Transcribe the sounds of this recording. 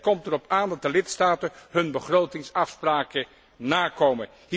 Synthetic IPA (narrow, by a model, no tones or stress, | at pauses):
kɔmtərɔpaːndɑt̚dəlɪtstaːtənɦɵnbəχrowtɪŋsɑfspraːkə | naːkowmən | ɦ